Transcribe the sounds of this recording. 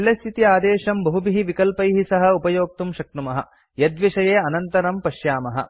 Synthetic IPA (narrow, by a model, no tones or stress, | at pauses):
lːɐst̪ʰit̪iaːd̪eːʃɐmbɐɦubiɦiʋikɐlpɐjɦisɐɦɐ̆upɐjoːk̚t̪umʃɐk̚t̪umɐɦɐ̰ | jɐd̪ʋiʂɐjeːɐnɐnt̪ɐɾɐmpɐʃjaːmɐɦɐ̰